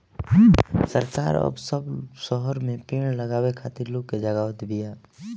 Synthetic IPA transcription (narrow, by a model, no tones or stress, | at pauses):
səɾka̰ːɾə̰bsəbsɔɦəɾmẽpeːɽ̃ləɡaːwekʰaːt̪ɪɾloːkːed͡ʒəɡaːwət̪bʱijaː